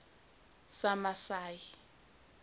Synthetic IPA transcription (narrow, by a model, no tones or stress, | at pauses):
samasaːji